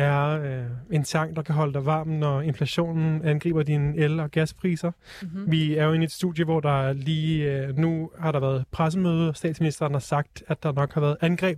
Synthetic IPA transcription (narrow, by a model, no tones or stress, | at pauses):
æɐe̝nt͡sʰɑ̈ŋ̰d̥ɑ̈kʰæɦɒ̽ləd̥ɑʋɑ̰̈ːmnːɒe̝nflæɕo̝̰ːnn̩ænɡ̥ʁḭːb̥ɐdinəelɒ̽ɡ̥æspʰʁḭːsɐ | ʋiæɐjoe̝nied̥sd̥uðˠjəʋɒd̥ɑ̈liːnuhɑ̈ɾɑ̈ʋæːɐð̞̩ˠpʰʁas̬əmøːð̞ˠəɒsd̥ɛ̰ːd̥sminisd̥ɐːn̩hɑ̈sɑ̈ɡ̥̚d̥æd̥ɑ̈nɒ̽ɡ̥hɑ̈ʋæːɐð̩ˠænɡ̥ʁɛ̰ːb̥̚